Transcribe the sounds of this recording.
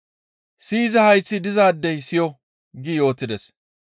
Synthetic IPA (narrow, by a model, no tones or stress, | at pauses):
siːzɐhɐjt͡sːɪd̪ɪzaːd̪ːɛjsɪjɔ | ɡɪjo̞ːt̪ːɪd̪ɛs